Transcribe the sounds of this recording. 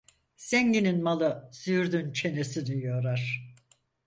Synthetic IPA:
sɛɲɟininmalˠɯsyɾd̪ynt͡ʃʰe̞nesinyjoɾaɾ̥

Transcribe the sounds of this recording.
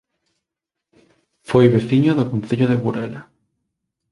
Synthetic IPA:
fojβeθiɲoðokon̟θeʎoðeβuɾela

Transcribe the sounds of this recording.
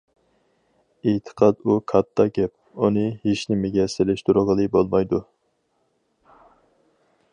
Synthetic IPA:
et̪ʰə̥qʰɑd̪ukʰɑt̪ʰːɑɡʲɛp̚ | unɨheʃnɪmeɡʲɛsɪlɪʃt̪uɾʊʁəlˠɨbolˠmɑjd̪u

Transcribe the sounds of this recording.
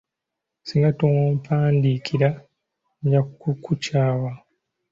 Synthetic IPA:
siŋɡatowoːmpʰaːndikʰiɾa | ɲɟakkukucaːwa

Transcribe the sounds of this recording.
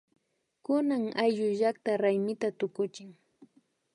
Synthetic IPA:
kʊnaŋajʎʊʒak̚t̪aɾajmɪt̪at̪ʊkʊt͡ʃɪŋ

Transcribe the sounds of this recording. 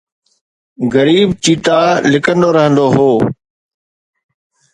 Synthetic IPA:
ɡəɾiːbt͡ɕiːt̪alɪkə̃nd̪oɾəɦə̃nd̪oɦoː

